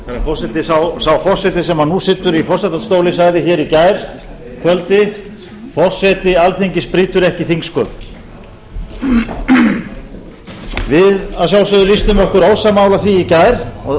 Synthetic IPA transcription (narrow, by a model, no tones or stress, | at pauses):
θaafɔr̥sɛt̪ɪsawsawfɔr̥sɛt̪ɪsɛmanusɪːt̪ːʏɾifɔr̥sɛt̪at̪st̪oːwlɪsaɣðɪçɛɾicajɾ̥ | kʰvœlt̪ɪ | fɔr̥sɛt̪ɪalθeɲcɪspɾiːt̪ʏɾɛhcɪθiŋkskœːp | vɪðasjaːwsʏðʏlist̪ʏmɔhkʏɾowsamawlaθviːcajɾ̥ɔ